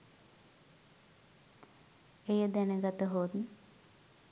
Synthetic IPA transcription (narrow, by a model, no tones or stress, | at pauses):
ejəd̪ænəɡat̪əɦoːd̪n